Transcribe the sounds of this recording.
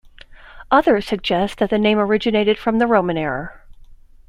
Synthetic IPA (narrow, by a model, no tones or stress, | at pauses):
ʔʌðə˞z̥sɨɡ̚d͡ʒɛsðɨt̪̚ðɨnẽɪ̃mə˞ɪd͡ʒɨneɪɾɨd̥fɹʌ̃mðɨɹõʊ̃mɨ̃nɛɹə